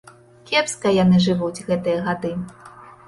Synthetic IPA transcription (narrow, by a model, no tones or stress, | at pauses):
kʲɛpskɐjan̪ɨʐɨvud͡zʲɣɛt̪ɨjɐɣad̪ɨ